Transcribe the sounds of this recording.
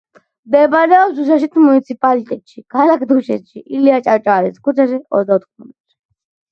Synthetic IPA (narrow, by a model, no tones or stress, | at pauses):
md̪ɛbaɾɛɔpsuʃ̬aʃ̬it̪ʰmunit̪sʰipʼalit̪ʼɛt̪ʼʃikʰalakʰd̪uʃɛ̰t̪ʃiʔiliat͡ʃʼaɾt͡ʃʼaːɾɛskʰut͡ʃʰaʃiɔ̰zd̪aɔt̪ʰχɔmɛt̪ʃi̥